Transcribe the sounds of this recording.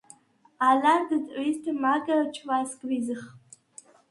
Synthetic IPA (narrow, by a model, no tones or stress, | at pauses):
alardɨdʕʷiztʰamaɡat͡ʃʰwaskʼrizɨχʼ